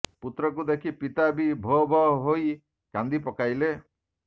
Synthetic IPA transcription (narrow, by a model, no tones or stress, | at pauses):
put̪ɾɔkud̪ekʰipit̪abibʱɔbʱɔɦɔɦoj | kãnd̪ipɔkajle